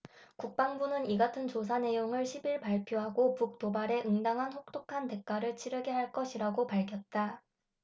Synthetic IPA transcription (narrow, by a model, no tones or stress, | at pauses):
kuk̚p͈aŋbunɯniɡatʰɯnt͡ɕos̬ʰane̞joŋɯɭɕʰibiɭpaɭpʰjoɦaɡopuk̚t͈obaɾe̞ʔɯŋdaŋɦansok̚t͈okʰante̞k̚k͈aɾɯɭt͡ɕʰiɾjɯɡeɦaɭk͈ʌɕʰiɾaɡopaɭkʰjʌt̚t͈a